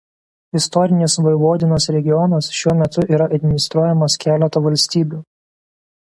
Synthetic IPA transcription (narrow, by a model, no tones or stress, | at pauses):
ɪst̪ɔɾʲɪnʲɪsʋɐɪʋuɔd̪ʲɪnoːsɾʲɛɡʲɪjɔnɐsʃʲuɔmʲɛt̪ʊʔiːɾɐʔɐd̪ʲmʲɪnʲɪst̪ɾuɔjɛmɐskʲæːlʲɛt̪ɐʋɐlʲsʲt̪ʲiːbʲuː